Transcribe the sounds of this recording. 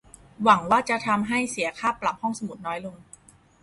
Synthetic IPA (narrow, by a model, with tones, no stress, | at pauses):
wa˩˦ŋwaː˥˩t͡ɕa˨t̪ʰa˧mɦa˥˩jsi˨˩˦ɐkʰaː˥˩pːla˨˩p̚hɔ˥˩ŋsa˧mu˨˩t̪̚nɔː˦˥jlo˧ŋ